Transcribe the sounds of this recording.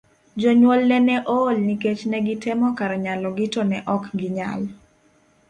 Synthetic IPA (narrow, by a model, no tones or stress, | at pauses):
d͡ʒɔɲwɔlnɛnɛʔoːlniket͡ʃnɛɡɪtɛmɔkaɾɲalɔɡɪtɔnɛʔɔkɡɪɲa̰l